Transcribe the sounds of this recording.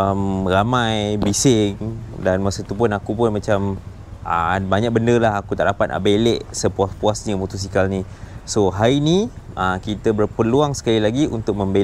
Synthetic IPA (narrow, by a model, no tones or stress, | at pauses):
əmramãjbisɪŋdanmasət̪upʊnakupʊnmãt͡ʃam | ə̰baɲak̚bəndəlaɦakut̪aʔlapana̰ʔbeleʔsəpuaspuasɲəmut̪us̬ikalnisoɦainiʔəkit̪əbərpəluaŋsə̥kalilaɡiṵnt̪ʊk̚mə̃mbe